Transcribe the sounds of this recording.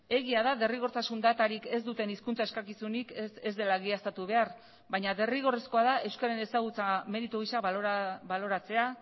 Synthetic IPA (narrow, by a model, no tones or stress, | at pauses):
e̞ɣ̞iaðaðe̞riɣ̞o̞ɾt̪asund̪at̪aɾike̞zd̪ut̪e̞niskunt͡sae̞skakisunikezd̪e̞laɣiast̪at̪uβe̞aɾ | βajɲaðe̞riɣ̞o̞re̞sko̞aðaʔe̞wskaaɾene̞saɣ̞ut͡same̞ɾit̪uɣ̞isakβalo̞ɾat͡se̞a